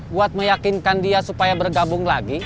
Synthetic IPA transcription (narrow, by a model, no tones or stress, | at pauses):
buat̪̚məjakɪnkandiasupajabərɡabʊŋlaɡi